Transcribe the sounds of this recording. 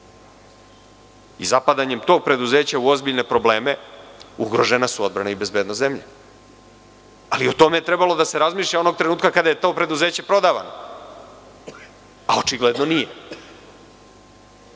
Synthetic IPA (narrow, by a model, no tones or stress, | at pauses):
izapad̪aɲe̞mt̪o̞ɡ̚pɾe̞d̪uze̞ːt͡ɕauo̞zbiʎne̞pɾo̞ble̞ːmeuɡɾo̞ʒenasuo̞d̪̚bɾanaibe̞zbed̪nozemʎḛ | aliot̪o̞me̞je̞t̪ɾe̞balo̞d̪ase̞ɾazmiːʃʎʲao̞no̞ɡ̚t̪ɾe̞nuːt̪kakad̪aje̞t̪o̞ːpɾe̞d̪uze̞ːt͡ɕe̞pɾo̞d̪aːʋa̰no̞ | ao̞t͡ʃiɡle̞d̪no̞nije